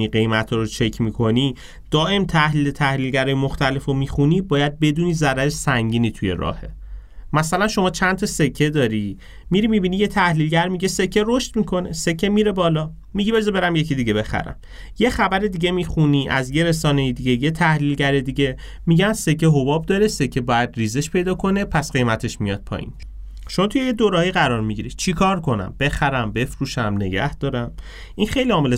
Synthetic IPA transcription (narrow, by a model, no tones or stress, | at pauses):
iɢe̞jmæt̪ʰɒːɾot͡ʃʰe̞cʰmiːkʰo̞ni | d̪̥ɒːʔe̞mt̪ʰæhliːlet̪ʰæhlilɟæɾɒːjemoxt̪æle̞fomixunibɒːjæd̪̚be̞d̪uːnizæɾæɾeʃsæŋɟiːniːt̪ʰuje̞̰ɾɒ̰ːhe̞ | mæsælænʃo̞mɒːt͡ʃʰænt̪ʰɒse̞cʰːe̞d̪ɒːɾi | miɾimibinije̞t̪ʰæhlilɟæɾmiɟe̞se̞cʰːe̞ɾoʃt̪mikʰo̞ne̞se̞cʰːemiːɾe̞bɒːlɒː | miɟibezebe̞ɾæmje̞cʰid̪iɟe̞be̞xæ̰ɾæ̰m | je̞xæbæɾed̪iɟe̞mixuniːʔæ̰zje̞ɾesɒːnejid̪iɟe̞jet̪ʰæhliːlɟæɾed̪iɟe̞ | miɟænse̞cʰeɦo̞bɒːb̚d̪ɒɾe̞se̞cʰe̞bɒːjæd̪riːzeʃpʰe̞jd̪ɒːkʰo̞ne̞pʰæsɢe̞jmæt̪ʰe̞ʃmijɒ̰d̪̚pʰɒ̰ʔḭn | ʃo̞mɒːt̪ʰujejed̪oːɾhɒjiɣæɾɒːɾmiɟiɾi̥t͡ʃʰikʰɒːɾkʰo̞næ̰mb̥e̞xæɾæmbe̞fɾuːʃæmne̞̰ɟæ̰hd̪̥ɒːɾæm | ʔinxe̞jliɒːmele